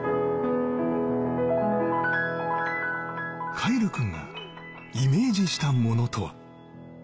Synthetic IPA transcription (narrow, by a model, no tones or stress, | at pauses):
kʰaiɾɯkɯ̟̃ŋɡa̰ | ime̞ːd͡ʑiɕi̥t̪amo̞no̞t̪ʰo̞βa̰